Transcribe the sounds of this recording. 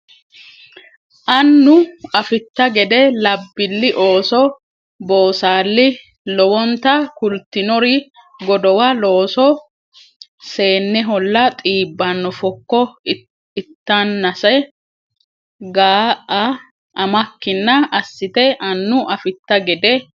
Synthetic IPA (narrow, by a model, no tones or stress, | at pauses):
ʔɐnːʊɐfɪt̪ːɐɡɛd̪ɛlɐbːɪlːɪʔo̞ːsɔ | bo̞ːsaːlːɪ | lɔwɔnt̪ɐkʊlt̪ːɪnɔɾɪ | ɡɔd̪ɔwɐlo̞ːsɔ | se̞ːnːɛɦɔlːɐt̪ʼiːbːɐnːɔfɔkːɔ | ɪt̪ːanːɐsɛ | ɡaːʔɐ | ʔɐmɐkːɪnːɐɐsːɪt̪ɛʔɐnːʊʔɐfɪt̪ːɐɡɛd̪ɛ